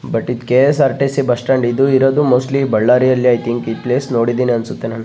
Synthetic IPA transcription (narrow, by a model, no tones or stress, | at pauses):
bɐʈːid̪keːsɐɾʈesibɐsʈɐɳɖid̪uiɾoːd̪umoːsʈlibɐɭːaːɾijɐlːiajt̪ʰiŋkid̪̚pleːsno̞ːɽid̪iːniɐnsut̪ːenaːnu